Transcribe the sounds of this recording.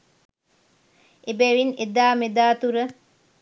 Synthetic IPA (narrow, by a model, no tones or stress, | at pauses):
ebeʋined̪aːmed̪aːt̪uɾə